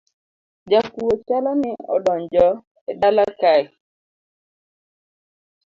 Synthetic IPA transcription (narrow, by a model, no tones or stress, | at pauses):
d͡ʒakuot͡ʃalɔnɪɔ̰dɔɲd͡ʒɔ | edalakaɪ